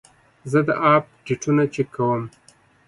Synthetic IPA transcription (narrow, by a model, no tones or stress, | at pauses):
zəd̪əʔɑːp̚ɖiʈʰunat͡ʃekʰawəm